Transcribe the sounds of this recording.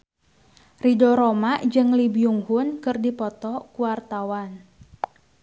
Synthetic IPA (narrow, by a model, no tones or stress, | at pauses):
ridɔɾomaʔd͡ʒɨŋlibiuŋhʊnkɨrdipɔt̪ɔkuwart̪awan